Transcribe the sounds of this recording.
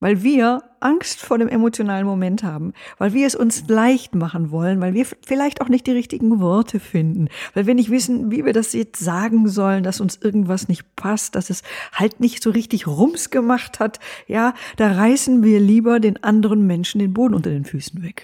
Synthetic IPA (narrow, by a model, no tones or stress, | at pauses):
vaɪlviːɐ | ʔaŋstfoːɐɾeːmʔemot͡sjonaːlənmomɛnthaːbm̩vaɪlviːɐɛsʊnslaɪçtmaχən̩vɔlənvaɪlviːɐfɪlaɪçtaʊxnɪçt̚d̥iːʁɪçtɪɡŋ̩vɔɐtʰəfɪndn̩vaɪlviːɐnɪçtv̥ɪsn̩viːviːɐdasjɛt͡stz̥aːɡŋ̩zɔləndasʊnsʔɪɐɡŋ̩tv̥asnɪçt̚pʰast̚d̥asɛshaltnɪçtz̥oːʁɪçtɪçʁʊmsɡ̥əmaχthatjaːd̥aːʁaɪsn̩viːɐliːbɐdeːnʔandəʁənmɛnʃn̩deːnboːdn̩ʔʊntɐdeːnfyːsn̩vɛk